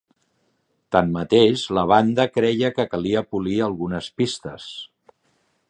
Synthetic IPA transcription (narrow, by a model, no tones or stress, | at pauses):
t̪ammət̪eʃləβ̞and̪əkɾɛjəkəkəliəpuliəlˠɣunəspist̪əs